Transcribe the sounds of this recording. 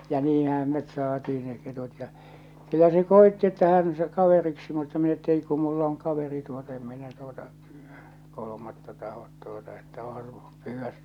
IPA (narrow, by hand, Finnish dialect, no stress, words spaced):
jɑ niːhæm met sɑːtiː ne ketut jɑ kylːæ se koetːi etːæ hæn se kɑʋeriksi mutːɑ min etːæ ei ku mulːɑ̆ oŋ kɑʋeri tuot em minæ tuotɑ kolomɑtːɑ tɑhot tuotɑ etːæ õːhɑ su pyːʋːæ